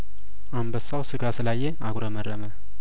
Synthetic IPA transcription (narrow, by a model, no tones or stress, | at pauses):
ʔambəsawsɨɡasɨlajːeaɡɾomərːəmə